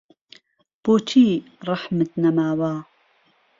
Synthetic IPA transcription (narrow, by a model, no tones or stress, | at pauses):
b̥ot͡ʃʰiːɾˤɑħmət̪nɐmaːwaː